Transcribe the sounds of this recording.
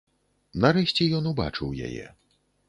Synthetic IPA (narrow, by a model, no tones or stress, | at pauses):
naɾɛʃʲt͡sʲɛjɔnuba̰t͡ʂɨwja̰jɛ̰